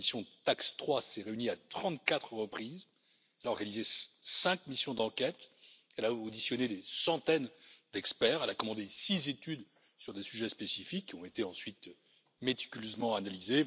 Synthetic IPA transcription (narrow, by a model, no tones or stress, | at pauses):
misjɔ̃ət̪akst̪χwasɛʁeyniat̪χɑ̃t̪kat̪χəʁəpχiz | ɛlaɔʁɡanizesɛ̃kmisjɔ̃d̪ɑ̃kʲɛt̪ | ɛlaod̪isjɔned̪esɑ̃t̪ɛnd̪ɛkspɛːʁɛlakɔmɑ̃d̪esizet̪yd̪ | syʁd̪esyʒɛspesifikːiɔ̃et̪eɑ̃sɥit̪ | met̪i̥kʲyløzmɑ̃analize